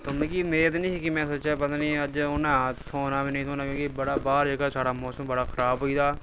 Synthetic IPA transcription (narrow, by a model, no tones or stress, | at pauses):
t̪ʊmẽkimeːət̪nĩːkikimɛ̃ːsoːt͡ʃap̬ət̪aːniːəd͡ʒʊnãt̪ʰoːnaːbiːnəĩːt̪ʰoːnaːkjõːkibəɽaːbaːɾeːkaːsaːɽaːmɔːsəmbəɽaːxʰəɾaːbɦoːiːd̪aː